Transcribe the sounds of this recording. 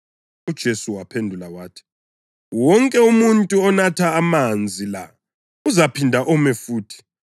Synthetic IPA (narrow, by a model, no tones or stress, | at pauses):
ud̥ʒ̥ʱesuwapʰendʱulawaːtʰi̥ | wɔŋkʼɛumuntʼuɔnatʰaːmand͡zʱila̰ | uzapʰindʱaʔɔmɛfuːtʰi̥